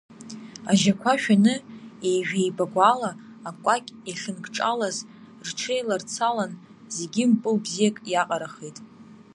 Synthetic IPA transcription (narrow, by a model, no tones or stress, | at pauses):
aʒakʷʰaʃᶣanɨejʒᶣejbaɡʷalaː | kʷʼakʲʼiɬɨnɡʈ͡ʂʼa̰laz | rʈ͡ʂʰejlart͡sʰalan | zeɡʲimpʼɨlbzijakʼjaqʼaɾaχejtʼ